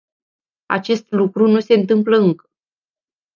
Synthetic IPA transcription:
a̰t͡ʃe̞st̪lukɾunuse̞ɨnt̪ɨmpləɨŋkə̥

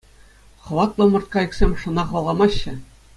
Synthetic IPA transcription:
χɤ̆ʋɑt̪lˠɤ̆mɤ̆rt̪kɑiksʲemʲʂɤ̆nɑχɑlˠʁɑmɑɕːɘ̆

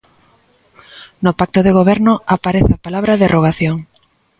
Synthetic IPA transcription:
nopak̚t̪oðeɣoβ̞ɛɾnʊapaɾeθapalaβɾaðerʔoɣaθjoŋ

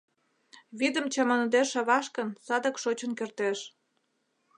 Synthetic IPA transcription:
βid̪ə̆mt͡ɕɑmɑnd̪eʃeβɑʃkə̆nsɑd̪ə̆kʃot͡ɕənkert̪eʃ

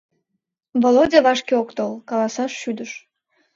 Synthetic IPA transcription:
volodʲeβɑʃkʲeokt̪olˠkɑlˠɑsɑʃːyd̪əʃ

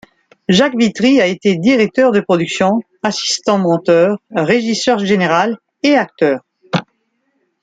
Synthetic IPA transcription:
ʒakvit̪ʁiaet̪ed̪iʁɛk̚t̪œʁd̪əpχɔd̪yksjɔ̃ | asi̥st̪ɑ̃mɑ̃t̪œʁːeʒisœʁʒeneʁal | eak̚t̪œːʁ

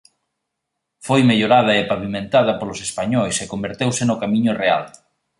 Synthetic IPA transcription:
fojmeʎoɾað̞ɐepaβimẽnt̪aðɐpolʊsespaɲɔjsekombeɾt̪ewsɪnʊkamĩɲʊrea̰l

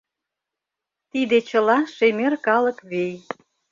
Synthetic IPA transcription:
t̪id̪et͡ɕəlɑʃemerkɑləkβej

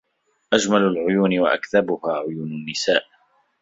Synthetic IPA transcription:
ʔad͡ʒmalalʕʊjuːnɪwaʔakðabʊhaːʕʊjuːnanːɪsaːʔ

